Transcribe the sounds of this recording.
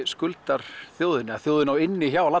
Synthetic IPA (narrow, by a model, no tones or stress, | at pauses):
skʏlt̪ar̥θjoːwðɪnaθjoːwðɪnawɪnːɪçawla